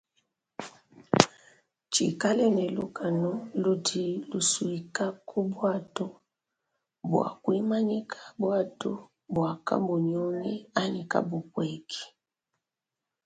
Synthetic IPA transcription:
t͡ʃḭ˨ka˦lɛ˦nɛ˨lu˦ka˨nɔ˦lu˦di˨lu˨swi˨ka˦kʰu˦bwa˦tɔ˦ | bwa̰˨kwi˦ma˦ɲi˦kʰḁ˦bwa˦to˦ | bwa˨ka̰˦bu˨ɲɔ˦nɛ˦a˦ni˨ka̰˦bu˨kwɛ˨kʰi̥˨

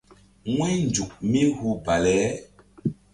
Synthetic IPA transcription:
ŋwɛ˦n˨d͡ʒu˨k̚mi˦hu˦ba˨lɛ˦

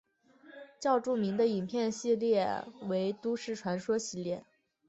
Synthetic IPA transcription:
t͡ɕjɑ˥˧ʊʈ͡ʂu˥˩mi˧˥ŋd̪ə˧i˨˩npʰjɛ˥˧nɕi˥˧ljɛ˥˩we˧˥ɪt̪u˥ʂɻ̩˥˩ʈ͡ʂʰwa˧˥nʂwɔ˥ɕi˧˥ljɛ̰˥˩

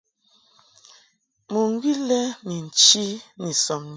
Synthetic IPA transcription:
mu˨ŋ˦ɡi˦lɛ˦mi˨n̩˨t͡ʃi˦ni˨sɔ˨mn

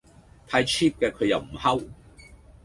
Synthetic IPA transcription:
t̪ʰaː˧jt͡ʃʰiː˥p̚kɛː˧kʰɵ˨˧ɥjɐ̰˨wm̩˨˩hɐ˥w

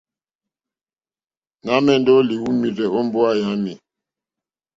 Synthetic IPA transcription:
na˦mɛ˦n˦dɔ˦li˨wu˦mi˨zɛ˨ɔ˦m˦bɔ˦a˦ja˨˦mi˨

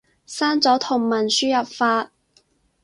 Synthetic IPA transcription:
saː˥nt͡sɔː˨˥t̪ʰʊ˨˩ŋmɐ˨˩nsyː˥jɐ˨p̚faː˧t̚

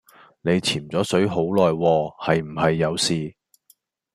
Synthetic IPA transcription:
ne˨˧jt͡sʰiː˨˩mt͡sɔː˨˥sɵ˨˥ɥɦo˨˥wlɔː˨jwɔː˧hɐ˨jm̩˨˩ɦɐ˨jːɐ˨˧wsiː˨

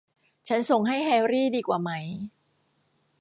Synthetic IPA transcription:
t͡ɕʰa˦˥nso˨˩ŋɦa˥˩jɦɛː˧wɾiː˥˩diː˧kwaː˨˩ma˦˥j

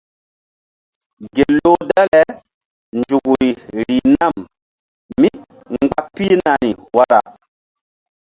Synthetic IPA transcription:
ɡe˨lo˦da˦lɛ˨ | nd͡ʒu˨ɡu˨ɾi˨ɾi˨na˦˨m | mi˦ | ŋ͡mɡ͡ba˦pi˦na˨ni˨wa˦ɾa̰˨

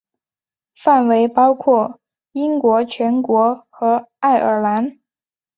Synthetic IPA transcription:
fa˥˩nwe˧˥ɪpɑ˥ʊkʰwɔ˥˩ | i˥ŋkwɔ˧˥t͡ɕʰɥɛ˧˥nkwɔ˧˥xɤ˧˥a˥˩ɪʔə˞˨˩la˧˥n

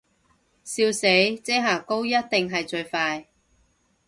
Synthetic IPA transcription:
siː˧wse˨˥jt͡sɛː˥ɦaː˨˩ko˥wjɐ˥t̚t̪ɪ˨ŋɦɐ˨jt͡ʃɵ˧ɥfaː˧j

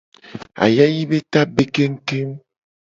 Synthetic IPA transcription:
a̰˨ja˦ji˦be˦t̪a˦be˦ke˦ŋ̩˦te˦m

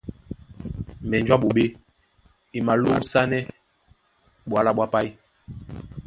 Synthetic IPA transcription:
m̩˨bɛ˨nd͡ʒwa˦ɓo˨ɓe˦ | i˨ma˨lo˦sa˦nɛ˦ | ɓwa˨la˦ɓwa˦pa˦i˦

